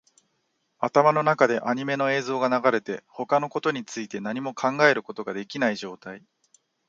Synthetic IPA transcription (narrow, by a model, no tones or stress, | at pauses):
at̪amano̞nakad̪e̞ʔaɲ̟ime̞no̞e̞ːzo̞ːɡanaɡaɾe̞t̪e̞ho̞kano̞ko̞t̪o̞ɲ̟it͡sɨit̪e̞naɲ̟imo̞kʰãŋɡae̞ɾɯ̟ko̞t̪o̞ɡad̪e̞kʲinaiʑo̞ːt̪ai